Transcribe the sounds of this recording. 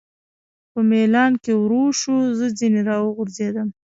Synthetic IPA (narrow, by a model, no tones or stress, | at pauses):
pəmelɑnkewɾoʃuzəd͡zineɾɑwəɣʊɾzed̪əm